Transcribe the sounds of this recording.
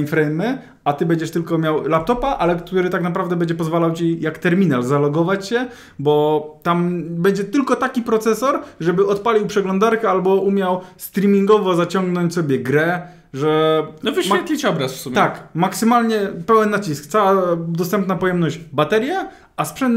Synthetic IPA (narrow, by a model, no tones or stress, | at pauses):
nfɾɛjmɘ | at̪ɘbɛɲd͡ʑɛʂt̪ɘlkɔmʲjawlap̚t̪ɔpaʔalɛkt̪uɾɘt̪aknap̬ɾavd̪ɛbɛɲd͡ʑɛp̬ɔzvalawt͡ɕijakt̪ɛɾmʲinalzalɔɡɔvat͡ɕɕɛ | bɔt̪ambɛɲd͡ʑɛt̪ɘlkɔt̪akʲipɾɔt̪sɛsɔɾʐɛbɘʔɔt̪palʲiwpʂɛɡlɔ̃nd̪aɾkɛalbɔʔumʲjawst̪ɾʲimʲiŋɡɔvɔzat͡ɕɔŋɡnɔɲt͡ɕsɔbʲjɛɡɾɛ | ʐɛnɔvɘɕɛt̪lʲit͡ɕɔbɾasfsumʲt̪ːakmaksɘmalɲɛpɛwɛnːat͡ɕiskt̪sawad̪ɔst̪ɛmpnapɔjɛmnɔʑd͡ʑbat̪ɛɾʲjɛ | aspʂɛnt̪